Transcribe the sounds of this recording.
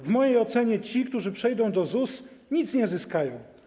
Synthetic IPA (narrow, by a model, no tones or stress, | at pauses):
vmɔjejɔt̪sɛɲɛt͡ɕikt̪uʐɘpʂɛjd̪ɔ̃w̃d̪ɔzusɲit̪sɲɛzɘskajɔ̃w̃